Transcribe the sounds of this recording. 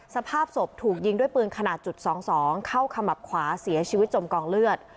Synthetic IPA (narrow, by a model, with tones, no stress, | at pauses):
sa˧pʰaː˥˩p̚so˨˩p̚t̪ʰuː˨˩k̚ji˧ŋdu˥˩əjpɯː˧nkʰa˧naː˨˩t̪̚t͡ɕu˨˩t̪̚sɔː˩˦ŋsɔː˩˦ŋkʰa˥˩wkʰa˧mːa˨˩p̚kʰwaː˩˦si˨˩˦ɐt͡ɕʰiː˧wi˦˥t̪̚t͡ɕo˧mkɔː˧ŋlɯ˥˩ət̪̚